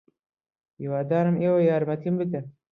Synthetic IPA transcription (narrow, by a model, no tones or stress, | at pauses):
iwaːd̪aːnɨmeːwɐjaːɾmɐt̪ʰimbɨt̪ɐ